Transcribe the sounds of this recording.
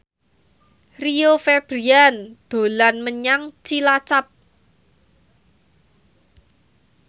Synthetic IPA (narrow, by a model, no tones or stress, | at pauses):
riofɛb̥ɾiand̪̥o̤lanməɲaŋt͡ʃilat͡ʃap̚